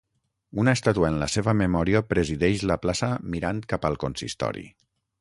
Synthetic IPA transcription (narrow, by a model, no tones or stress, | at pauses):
unaest̪at̪uaenləseβəmemɔɾiəpɾeziðɛʃləplasəmiɾant̪kapəlˠkonsḭst̪ɔ̰ɾḭ